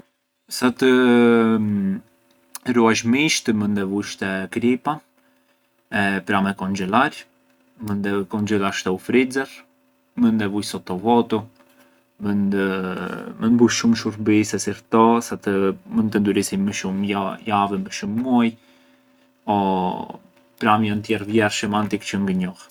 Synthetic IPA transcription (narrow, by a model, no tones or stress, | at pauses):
sat̪ə | ɾuaʃmiʃt̪əmənd̪ɛvujʃt̪ɛkɾipa | ɛpɾamɛkɔnd͡ʒɛlaɾ | mənd̪ɛkɔnd͡ʒɛlaɾʃt̪ɛufɾid͡zɛɾ | mənd̪ɛvujsɔt̪ɔvɔt̪u | mənəmənbuʃumʃuɾbisɛsiɾt̪ɔsat̪əmənt̪ənd̪yɾisiməʃumjavɛməʃumːɔj | ɔ | pɾamjɔnt̪jɛrvjɛrʃəmant̪ikt͡ʃəŋɡəɲɔh